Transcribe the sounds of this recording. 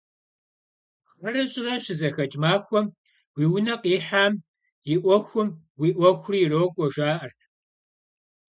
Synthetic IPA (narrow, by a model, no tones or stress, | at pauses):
χɐrɐɕʼɪrɐʃɪzɐxɐt͡ʃʼmaːxʷɔm | wiːwʊnɐqiːħaːm | jɪʔʷɔxʷʊm | wiːʔʷɔxʷʊriːroːkʷʼɔʒʷaːʔɐrtʰ